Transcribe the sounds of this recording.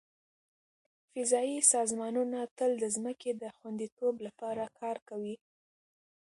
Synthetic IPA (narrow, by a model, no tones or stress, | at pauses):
fɪzɑisɑzmɑnunat̪əld̪əzməked̪əxwand̪it̪oblapɑɾakʰɑɾkawi